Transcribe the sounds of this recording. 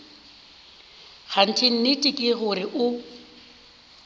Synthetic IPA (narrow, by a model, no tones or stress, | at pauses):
ɣʰan̩tʰɪn̩nɪtʼɪkʼɪɣʊɾɪʔʊ